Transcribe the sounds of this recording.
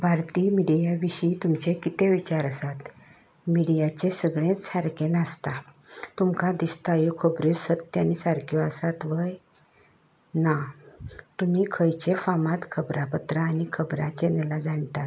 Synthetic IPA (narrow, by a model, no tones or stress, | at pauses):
bʱaɾt̪iːmiɽijaʋiɕiːt̪umt͡ɕekit̪ẽʋit͡ɕaɾəsat̪ | miɽijat͡ɕesəɡɭẽt͡ssaɾkenəst̪a | t̪umkad̪ist̪ajokʰəbɾosət̪ːjanisaɾkʰjɔasat̪ʋəj | na | t̪um̤iːkʰəjt͡ɕefamãt̪kʰəbɾapət̪ɾaːñikʰəbɾat͡ɕenelad͡zaɳt̪at̪